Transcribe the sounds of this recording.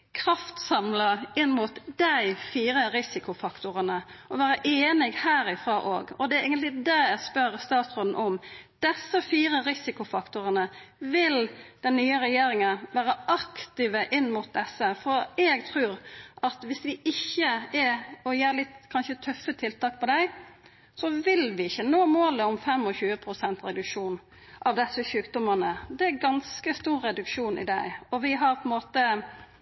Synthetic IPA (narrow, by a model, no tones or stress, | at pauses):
kʰɾɑft̪sɑmlɑɪnːmʊt̪d̪æɪfiːɾəɾɪsɪkʊfɑkt̪ʊɾənəɔʋæːɾəʔeːnɪɡhæːɾɪfɾɑːʔoːɡɔd̪ɛæɾeːɡənt̪lɪd̪ɛɛspœɾst̪ɑːt̪sʁɔd̪n̩ʔɔmd̪̥ɛsːəfiːɾəɾɪsɪkʊfɑkt̪ʊɾənəʋɪld̪̥ɛnːyːəɾɛjeːɾɪŋənʋæːɾəʔɑkt̪ɪʋəʔɪnːmʊt̪̚d̪ɛsːəfɔɾɛːɡt̪ʰɾʉːɾʔɑt̪ʋɪsʋɪʔɪçːəɛɾɔjeːɾlɪt̪kʰɑnʃət̪ʰœfːət̪ʰɪlt̪ʰɑːk̚pʰɔd̪æɪ | sɔʋɪlʋɪɪçːənoːmoːləʊmfɛmɔçʉːəpʰɾʊsɛnt̪ɾɛd̪ʉkʂuːn | ʔɑʋd̪ɛsːəçʉːkd̪ʊmənəd̪ɛæɾɡɑnskəst̪uːɾːɛd̪ʉkʂuːnʔɪ̰d̪æɪɔʋɪɦɑɾpʰɔnmoːt̪ə